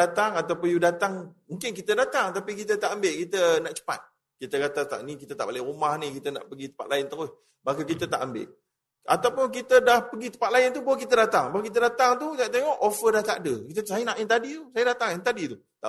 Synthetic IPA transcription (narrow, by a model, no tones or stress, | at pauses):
at̪aŋat̪awpʊnjudat̪aŋmuŋkɪnkit̪ədat̪aŋt̪apikit̪ət̪aʔambɪʔkit̪ənaʔt͡ʃə̥pa̰t̪̚ | kit̪əkat̪at̪a̰nikit̪ət̪aʔbalɪɾumahnikit̪əna̰ʔpəɡit̪ə̥pat̪lʔajɪnt̪əɪh | bakəkit̪ət̪a̰ʔambɪ̰ʔ | at̪awpʊnk̬it̪ədahpəɡit̪ə̥pat̪lajɪnt̪̬ubawək̬it̪ədat̪aŋbaəkit̪̬ədat̪aŋt̪ut̪at̪eŋɔʔofədaht̪aʔdəkit̪əsajənaʔɪnt̪adit̪usajədat̪aŋɪnt̪adit̪u | t̪a̰